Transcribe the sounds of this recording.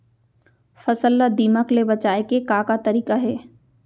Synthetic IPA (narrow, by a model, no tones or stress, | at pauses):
fɐsəlːad̪iːməklebɐt͡ʃaːekekãːkat̪ɐɾiːkaɦɛː